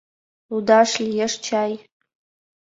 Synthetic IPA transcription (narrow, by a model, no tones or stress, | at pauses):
ud̪aʂlʲijɛʂt͡ʃʰaj